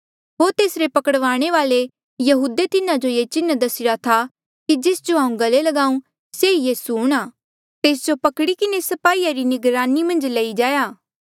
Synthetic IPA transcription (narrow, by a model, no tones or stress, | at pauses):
ɦoːɾt̪eːsɾepɐkəɽʋaːɽ̃eʋaːle | jɐɦuːd̪et̪ɪnãd͡ʒojet͡ʃɪnd̪ɐsɪɽat̪ʰa | kid͡ʒɪːsd͡ʒoɦaːũɡɐlelɐɡaːũ | seijiːsuɦʊɽ̃aː | t̪eːs̬d͡ʒopɐkɽikɪnesɐpaːiːjaɾinɪɡɾaːnimɐ̃nd͡ʒlɐid͡ʒaːjaː